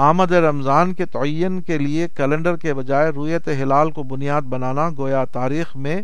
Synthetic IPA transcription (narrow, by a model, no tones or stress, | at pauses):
aːməd̪eɾɐmzaːnket̪ɐɐjːənkeliekɛlɛ̃ɳɖəɾkebɐd͡ʒaːeɾʊjət̪eɦɪlaːlkobʊnijaːd̪̚bɐnaːnaɡoːjat̪aːɾiːxmẽ